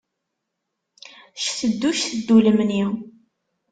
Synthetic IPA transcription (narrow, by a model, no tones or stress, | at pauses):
ʃθəd̪ːuʃθəd̪ːuləmni